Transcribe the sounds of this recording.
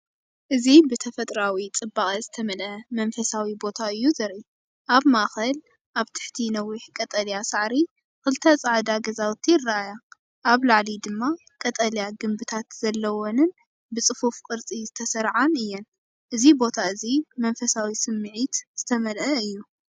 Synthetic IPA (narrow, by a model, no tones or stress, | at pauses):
ʔɨzibɨt̪ʰɐfɐt̪ʼɾawit͡sʼɨbakʼɐzɨt̪ʰɐmɐlʔɐmɐnfɐsawibo̞t̪ʰaɨjːuzɐɾʔu | ʔaβmaʔxɐl | ʔaβt̪ʰɨ̥ħt̪ʰinɐwiħkʼɐt̪ʼɐljasaʕɾi | kɨlɨt̪ʰɐt͡sʼaʕd̪aɡɐzawt̪ʰːijɪrːaaja | ʔaβlaʕlid̪ɨmːa | kʼɐt̪ʼɐljaɡɨmbɨt̪ʰat̪z̥ɐlːɐwonɨn | bɨt͡sʼɨfufkʼɨɾt͡sʼizɨt̪ʰɐsɐɾʕanɨjːɛn | ʔɨzibo̞t̪ʰaɨzimɐnfɐsawisɨmːɨʕit̪z̥ɨt̪ʰɐmɐlʔɐɨjːu